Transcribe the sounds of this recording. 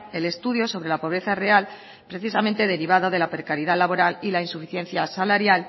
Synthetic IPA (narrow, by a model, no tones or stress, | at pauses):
e̞le̞st̪uð̞jo̞so̞βɾe̞lapo̞β̞ɾe̞θare̞al | pɾe̞θisamẽnt̪e̞ðe̞ɾiβ̞aðo̞ðe̞lapɾekaɾiðalaβ̞o̞ɾalilainsufiθje̞nθjasalaɾjal